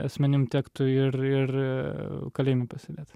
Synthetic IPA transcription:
ɐsʲmʲɛnʲɪmt̪ʲæːkt̪ʊɪrɪr | kɐlʲeːmʲɛpɐsʲɪd̪ʲeːt̪

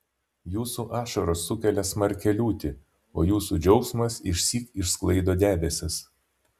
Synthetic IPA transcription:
juːsuːʔɑːʃɔɾosːʊkʲɛlʲɛsmɐɾʲkʲɛlʲuːt̪ʲɪ | oːjuːsuːd͡ʒʲɛʊksmɐsɪʃʲsʲiːkɪʃsklˠɐɪd̪oːd̪ʲæːb̪ʲɛsʲɪs

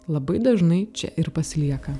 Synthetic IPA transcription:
lˠɐbɐɪd̪ɐʒnɐɪt͡ʃʲɛ̰ʔɪɾpɐsʲlʲiɛkɐ

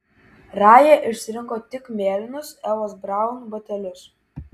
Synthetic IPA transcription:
ɾɑːjeːʔɪʃʲsʲɪɾʲɪŋkoːt̪ʲɪkmʲeːlʲɪnʊsɛlˠoːsbɾɑˑʊnbɐt̪ʲɛlʲʊs

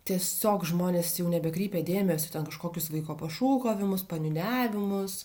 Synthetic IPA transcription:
t̪ʲiɛsʲoːkʒmoːnʲeːsjɛʊnʲɛbʲɛkɾʲiːpʲeːd̪ʲeːmʲɛsʲʊt̪ʲɛnkɐʃkoːkʲʊsʋɐɪkoːpɐʃuːkoːʋʲɪmʊspɐnʲʊnʲæːʋʲɪmʊs

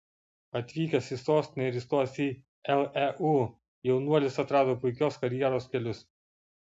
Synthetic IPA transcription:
ɐt̪ʲʋʲiːkʲɛsʲɪsoːsʲt̪ʲɪnʲɛɪɾʲɪst̪uɔsʲiː | ɛlˠɛʔuː | jɛʊnuɔlʲɪsɐt̪ɾɑːd̪oːpʊɪkʲoːskɐɾʲjiɛɾoːskʲɛlʲʊs

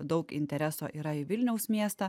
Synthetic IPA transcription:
d̪ɒʊkɪ̰nʲt̪ʲɛɾʲɛso̰ːʔiːɾɐiʋʲɪlʲnʲɛʊsʲmʲiɛst̪ɑ

